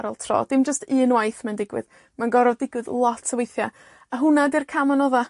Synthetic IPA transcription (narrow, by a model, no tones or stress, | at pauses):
ɾɔlˠtʰrɔ̰ːd̥ɪmd͡ʒəstɨːnwajθmɛndɪɡwɨ̰ð | manɡɔɾɔvdɪɡwɨðlˠɔtʰsəwejθja | aɦʊnadirkʰamanɔða